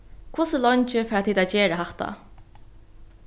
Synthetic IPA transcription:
kʰvʊːsəlɔɲt͡ʃɪfɛːɾat̪ʰiːd̪ad͡ʒeːɾəɦaht̪a̰

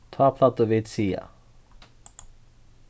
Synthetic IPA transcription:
t̪ʰvaːpʰlat̪ɔvɪt̪siːja̰

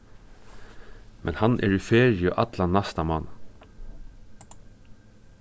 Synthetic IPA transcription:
mɛnhɑnʔæ̰ːɹiːfeːɹɪəʔɑt̪lɑnæst̪ɑmɑn

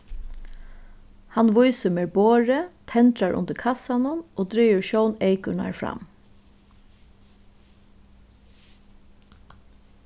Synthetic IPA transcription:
hanʋʊjsəmeːɹboːɹət̪ʰɛnt̪ɾaɹʔʊ̰nd̪əɾkʰɑsanʊnoːd̪ɾiːʋəɹʃœwneɪkʊɳa̰ɹfɹɑ̰m

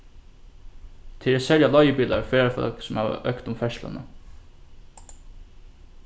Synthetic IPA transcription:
t̪ʰɪɾæsɛljalɔjəpiːla̰ɹfeːɾafɔ̰lksʊmhæːʋə̰ʔœkt̪ʊmfɛʃlə̰nə̰

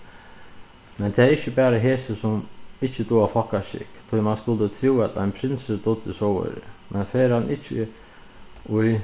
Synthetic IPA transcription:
mɛnt̪ʰɛːɾɪçəbæːɾaɦeːsəsɔmɪt͡ʃːəd̪uːafɔhkaʃɪ̰kt̪ʰʊjmanskʊlt̪ət̪ʰɾuːæt̪ʰa̰ɪnpʰɾɪnsəd̪ʊt̪ːəsɔwə̰ɾ̰mʔɛnføːɾanʔɪt͡ʃːə̰ | ʊj

